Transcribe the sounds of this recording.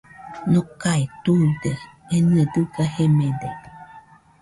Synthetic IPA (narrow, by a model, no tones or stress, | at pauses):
nokait̪udəenədɨɡahemẽde